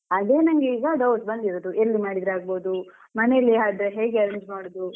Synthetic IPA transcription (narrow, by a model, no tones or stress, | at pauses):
ɐd̪e̞ːnɐŋɡeiːɡɐɖɐwʈbɐnd̪iɾoːd̪uʔelːimaːɽid̪ɾaːɡboːd̪u | mɐnejɐlːiɦaːɖ̪ɾeɦe̞ːɡeɐɾeɲd͡ʒmaːɽoːd̪u